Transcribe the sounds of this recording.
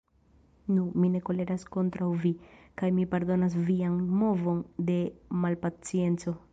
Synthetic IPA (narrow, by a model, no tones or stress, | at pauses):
numine̞ko̞le̞ɾasko̞ntɾawvikajmipaɾd̪o̞nas̬vianmo̞vo̞nde̞malpat͡sie̞nt͡so̞